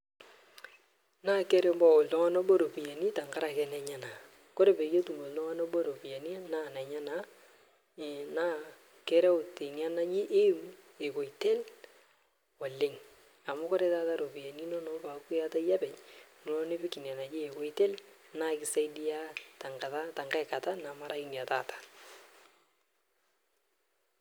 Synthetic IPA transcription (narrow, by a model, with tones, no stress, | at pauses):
na˦kɛ˦ɾe˦mbɔ˦o˨ltɔ˦ŋɔ˦nɔ˦ɓɔ˦ɾo˨pi˨ja˨ni˦ta˨ŋɡa˦ɾa˨kɛ˨nɛ˨ɲa˦na˨ | ko˦ɾe˨pe˨ke˦tu˨mo˨ltɔ˦ŋɔ˦nɔ˦bɔ˦ɾo˨pi˨ja˨ni˦naː˦nɛ˨ɲa˦na˨ | na˦ | kɛ˦ɾɛ˦ʊ˨tɪ˨ŋɛ˦na˦d͡ʒi˦ʔe˦me˨ko˨i˨te˦l | ɔ˨lɪ˦ŋ | a˨mʊ˦ko˦ɾe˨˦ta˦ta˦ɾo˨bi˨a˨ni˦nɔ˦nɔ˨˦pa˨ku˦ja˦ta˦ja˦pɛ˨ɲn˨ɔ˦ne˦pɪ˦kɪ˨n˨a˨na˨d͡ʒɪ˦e˨ko˨i˦te˦lna˦kɪ˦sa˦jdi˦a˦ta˨ŋka˨ta˦ta˨ŋɡa˦ɪ˨ka˨ta˦na˨ma˦ɾa˦i˦n˨a˨taː˦˨tḁ˦